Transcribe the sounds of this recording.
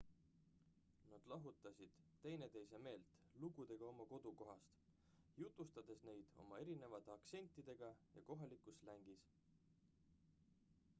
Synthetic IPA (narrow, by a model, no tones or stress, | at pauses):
nɑd̪̥lɑɦut̪ːˑɑsʲid̪̥t̪ːe̞jne̞t̪e̞jse̞me̞ːlt̪ | luɡ̥ud̪̥e̞ɡ̥ɑo̞mɑko̞d̪̥uko̞ɦɑst̪ | jut̪ˑust̪ɑd̪̥e̞sne̞jd̪̥o̞̰mɑe̞ɾine̞vɑt̪eɑkse̞nʲt̪ˑːid̪e̞ɡ̥ɑjɑ̰ko̞ɦɑlikˑuslæŋɡ̥is